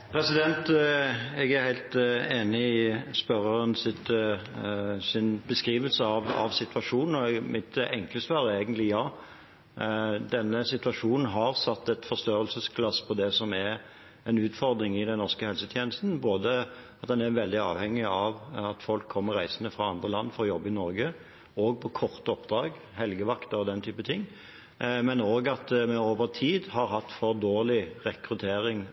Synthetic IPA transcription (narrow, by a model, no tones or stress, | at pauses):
pʰɾɛsɪd̪ɛnt̪ | ɛɡæɾhæɪlt̪eːnɪɪspœɾəɾənsɪt̪ | sɪnbəskɾiːʋəlsəɑʋɑ̰ʋsɪt̪ʋɑʂuːnn̩ɔmɪt̪ɛŋkləsʋɑːɾeɪɡənt̪lɪjɑː | d̪ɛnːəsɪt̪ʉʋɑʂuːnn̩ɦɑʁsɑt̪ːɛt̪fɔst̪øːɾəlsəskʰlɑspʰɔd̪ɛsɔmɛɾ | ɛnʉːt̪fɔɾd̪ɾɪŋɪd̪ɛnnɔʁskəhɛlsət̪ʰjeːnəst̪n̩boːd̪əɑt̪̚d̪ɛnæɾʋɛld̪ɪɑ̰ːʋhɛŋːɪɑʋɑt̪fɔlkʰːɔmːəɾʁæɪsənəfʁɑɑnd̪ʁəlɑnːfɔɾɔjɔbːɪnɔɾɡə | oːɡ̚pʰɔkʰɔʁt̪əɔpd̪ɾɑːɡ | hɛlɡəʋɑkt̪ɑɔd̪ɛnt̪ʰyːpət̪ʰɪŋː | mɛnoːɡɑt̪mɛoːʋəʁt̪ʰiːd̪hɑɾɦɑt̪ːfɔʁd̪oːʁlɪʁɛkɾʉt̪ʰeːɾɪŋ